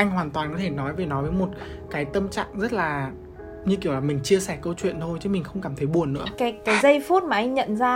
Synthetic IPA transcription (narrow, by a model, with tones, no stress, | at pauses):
ʔa˧jŋ̟ɦwaː˨˩nt̪waː˨˩nkɔ˨˦t̪ʰe˧˩nɔ˨˦jve˨˩nɔ˨˦jvəː˨˦jmo˨˩t̚ | kaː˨˦jt̪ə˧mt͡ɕa̰ː˧˨ŋzə˦˥t̚laː˨˩ | ɲɨ˧ki˧˩əwlaː˨˩mï˨˩ŋ̟t͡ɕi˧əsɛ˧˩kə˧wt͡ɕwḭ˧˨nt̪ʰo˧jt͡ɕɨ˨˦mï˨˩ŋ̟xə˧wŋ͡mkaː˧˩mt̪ʰə˨˦jɓu˨˩ənːɨ̰˧˥əkaː˨˦jkaː˨˦jzə˧jfu˦˥t̚maː˨˩ʔa˧jŋ̟ɲə̰˧˨nzaː˧